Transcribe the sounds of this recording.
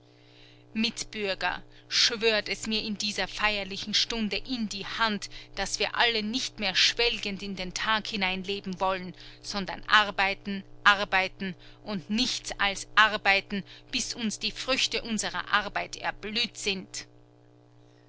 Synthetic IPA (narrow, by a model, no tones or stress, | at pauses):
mɪtb̥ʏɐɡɐ̰ | ʃv̥øːɐtɛsmiːɐɪndiːzɐfaɪɐlɪçn̩ʃtʊndəʔɪndiːhantd̥asv̥iːɐʔalənɪçtmeːɐʃv̥ɛlɡəntɪndeːntʰaːkhɪnaɪnleːbm̩vɔlənz̥ɔndɐ̰nʔaɐbaɪtn̩ʔaɐbaɪtn̩ | ʔʊntnɪçt͡salsʔaʁbaɪtn̩b̥ɪsʊnsd̥iːfʁ̥ʏçtəʔʊnzəʁɐ̰ʔaɐbaɪtɛɐblyːtz̥ɪnt